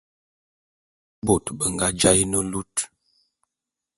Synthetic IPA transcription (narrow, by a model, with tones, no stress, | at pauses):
bo˨tbə˨ŋ˨ɡa˦d͡ʒa˦jnə˦lu˦t